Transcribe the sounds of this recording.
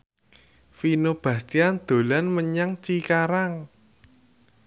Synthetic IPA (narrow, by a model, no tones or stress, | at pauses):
finob̥ä̤st̪iand̪̥o̤lanməɲaŋt͡ʃikaɾaŋ